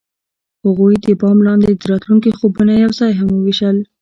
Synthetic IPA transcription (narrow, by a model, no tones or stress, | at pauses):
haɣujd̪əbɑmlɑnd̪ed̪əɾɑt̪luŋkixobunajawzɑjɦaməwiʃəl